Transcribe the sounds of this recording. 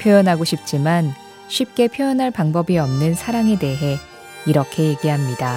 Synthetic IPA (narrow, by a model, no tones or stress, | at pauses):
pʰjojʌnɦaɡoɕʰip̚t͡ɕ͈iman | ɕʰip̚k͈e̞pʰjojʌnɦaɭpaŋbʌbiʌmnɯnsʰaɾaŋe̞de̞ɦe̞ | iɾʌkʰe̞je̞ɡiɦamɲida